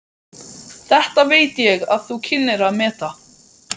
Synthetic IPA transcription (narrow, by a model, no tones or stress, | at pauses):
θɛht̪aveːjt̪ɪjɛɣaðθucʰɪnːɪɾaðmɛːt̪a